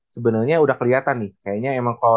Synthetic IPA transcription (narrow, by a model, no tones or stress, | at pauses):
səbənarɲaudahkəliɦat̪anːɪhkajaɲaemaŋka